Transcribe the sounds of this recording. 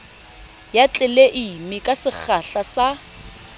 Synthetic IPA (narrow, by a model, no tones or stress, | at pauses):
jat͡ɬʼɪleʔimikʼasɪk͡xʰaɬasa